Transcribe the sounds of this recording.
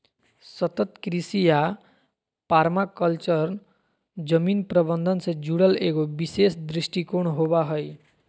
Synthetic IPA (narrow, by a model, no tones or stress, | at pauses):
sʌt̪ʌt̪kɾisija | paɾmakʌlt͡sʌr | d͡zʌminprʌbʌnd̪ʱʌnsʌd͡zuɽʌlekobisesd̪ɾisʈikoɳ̃ɦobaɦʌj